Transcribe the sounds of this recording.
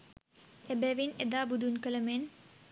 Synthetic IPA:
ebɛʋined̪aːbud̪unkələmen

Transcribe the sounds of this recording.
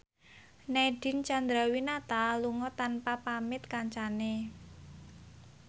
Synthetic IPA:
nɛɖ̥i̤nt͡ʃand̪ɾawinat̪aluŋɔt̪anpapamɪt̪̚kaɲt͡ʃane

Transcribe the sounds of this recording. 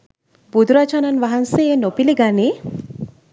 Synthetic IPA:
bud̪ɾat͡ʃananʋaɦanseenopiliɡani

